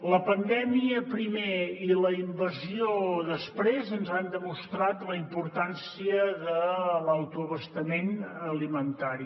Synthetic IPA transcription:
ləpənd̪ɛmiəpɾimeiləimbəzioðəspɾezənzand̪əmust̪ɾat̪ləimpuɾt̪ansiəðələwt̪uəβəst̪əmenəlimənt̪aɾi

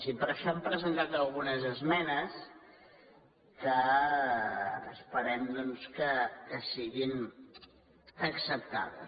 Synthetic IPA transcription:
sipəɾəʃɔəmpɾəzənt̪at̪əlˠɣunəzəzmɛnəs | kə | spəɾɛmd̪ɔnskəkəsiɣin | əksəp̚t̪a̰ðə̰s

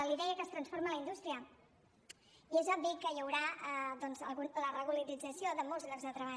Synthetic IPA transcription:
əliðɛəkəːst̪ɾənsfoɾmələind̪ust̪ɾiə | iezɔbbikəjəwɾaəðɔnzəlˠɣuɾ̚d̪ələrəɣuləɾid͡zəsioðəmolˠzɣlɔzðət̪ɾəβ̞a

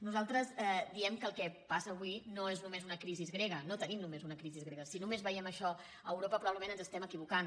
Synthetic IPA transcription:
nuzalˠt̪ɾəzɛd̪iɛmkəːlˠkɛpasəːβ̞winoeznumezunəkɾizizɣɾeɣənot̪ənimnumezunəkɾizizɣɾeɣəsinumezβəiɛməʃɔ | əːwɾopəpɾuβaβləmẽnənzəst̪ɛməkiβ̞ukan

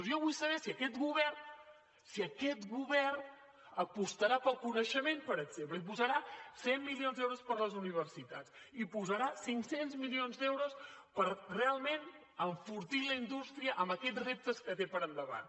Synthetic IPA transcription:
zjɔβujsəβɛsiəkɛt̪ɣuβɛrn | siəkɛt̪ɣuβɛrn | əpust̪əɾapəlˠkunəʃəmenpəɾəɡz̥empləip̬uzəɾasemːilionzd̪ɛwɾuspəɾləzuniβ̞əɾsit̪at͡s | ipuzəɾasiŋksenzmilionzd̪ɛwɾuspəɾrealˠmen | əɱfuɾt̪iləind̪ust̪ɾiəʔəmbəkɛd͡zrep̚t̪əskət̪epəɾənd̪əβa̰n

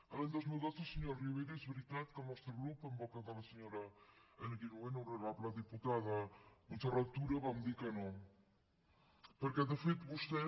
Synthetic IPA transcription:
əlaɲd̪ɔzmilˠd̪ozəlˠsəɲoɾriβejɾəezβɾit̪at̪kəlˠnɔst̪ɾəɣɾupəmbɔkəðələsəɲoɾəənəɣinuenuwrəɾapləðiput̪aðəmunsərət̪uɾəβamd̪ikəno | pəɾkɛðəfet̪bust̪ɛ

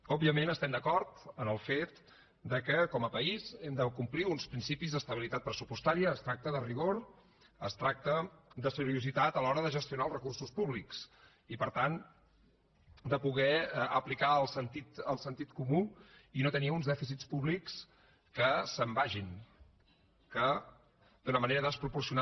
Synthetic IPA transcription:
ɔbiəmenəst̪ɛmd̪əkɔɾt̪ənəlˠfet̪ | d̪əkəkɔməpəizɛmd̪əkumpliunspɾinsipizðəst̪əβilit̪at̪̚pɾəsupust̪aɾiəːst̪ɾak̚t̪əðəriɣ̞oɾ | əst̪ɾak̚t̪əd̪əsəɾiuzit̪at̪əlɔɾəðəʒəst̪iunalˠzrəkursuspuβliks | ipəɾt̪an | d̪əpuɣɛəplikaəlˠsənt̪it̪əlˠsənt̪it̪kumuinot̪əniəunzðɛfisit͡spuβliks | kəsəmbaʒin | kə | d̪unəməneɾəðəspɾupursiun

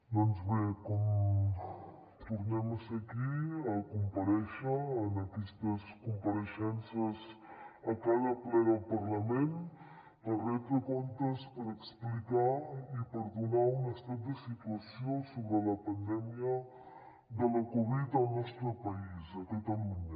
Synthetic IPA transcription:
d̪ɔnzβekɔm | t̪uɾnɛmsɐkiakumpaɾɛʃəːnakɛst̪əskumpaɾəʃɛnsiəzɐkalaplɛɾəlpɐɾlɐmẽn | ərɛt̪ɾəkont̪əspəɾəksplikaipəɾðunaunəst̪at̪̚d̪əsit̪uasjosoβɾəlɐpand̪ɛmiə | ðələkoβit̪alnɔst̪ɾəpɐisət̪ot̪aluɲ

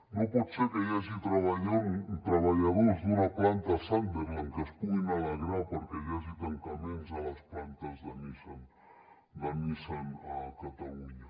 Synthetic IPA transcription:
nõpɔt̪seɾkejaʒit̪ɾaβaʎant̪ɾaβaʎaðozðunaplant̪asant̪eɾaŋkespujnalaɣɾapoɾkejaʒit̪aŋkaminzalasplant̪azðanisan | d̪anisanakat̪aluɲa

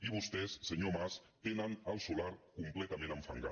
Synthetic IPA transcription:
iβust̪ɛsːəɲomas | t̪enənəlˠsulaɾkumplɛt̪amẽnəɱfə̰ŋɡa̰

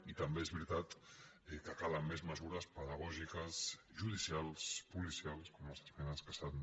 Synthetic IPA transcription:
it̪əmbeezβɾit̪at̪ | kəkaləmːezməzuɾəspəðəɣ̞ɔʒikəsʒuðisialˠspulisialˠskomalˠsmenanskəsan

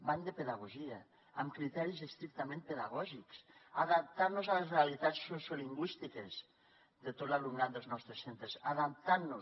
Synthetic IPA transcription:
band̪epeðaɣuʒiaː | mkɾit̪ɛɾizest̪ɾik̚t̪amẽnt̪̚peðaɣɔʒiksaðap̚t̪aɾnozalesrealit̪assosoliŋɡwist̪ikez | ðet̪ot̪laluŋnat̪̚d̪əlˠznɔst̪ɾesent̪ɾesaðap̚t̪aɾno

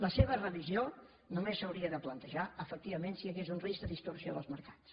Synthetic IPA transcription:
ləseβərəβizio | numesəwɾiəðəplənt̪əʒaəfək̚t̪iβəmensiəɣezunrizd̪əðist̪uɾsioðəlˠzməɾkḁt͡s

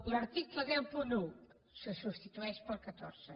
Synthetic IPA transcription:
lɐɾt̪iklɐðɛmpunu | səsust̪it̪uɛʃpəlkat̪ɔɾsə

